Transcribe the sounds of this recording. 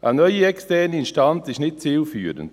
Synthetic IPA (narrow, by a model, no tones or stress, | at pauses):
ʔa̰nɔjəɛkstɛnəinʃtant͡sɪʃnɪt̚t͡siːlfyːəɾə̰nt